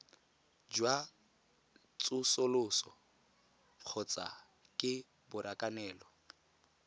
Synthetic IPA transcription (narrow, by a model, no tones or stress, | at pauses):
d͡ʒwa | t͡sʼʊsolʊsɔ | q͡χʰɔt͡sa̰ | kʼɪ | bʊɾakʼanɛːlɔ